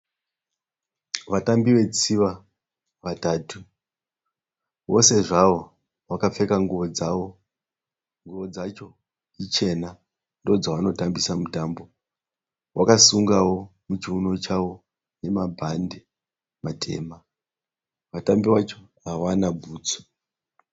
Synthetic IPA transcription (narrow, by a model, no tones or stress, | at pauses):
ʋatambiʋe̞t͡siʋa | ʋataːtu | ʋo̞̰se̞ʐaʋo̞ | ʋakafe̞kaŋɡuʋo̞d͡zawo̞ | ŋɡuʋo̞d͡zat͡ʃo | it͡ʃe̞na | ndo̞d͡zaʋano̞tambisamutambo̞ | wʔakasuŋɡawo̞mut͡ʃiuno̞t͡ʃawo̞ | ne̞mabʱande | matʰe̞̰ːma | ʋatambiʋat͡ʃo̞ | awanabʱuːt͡so̥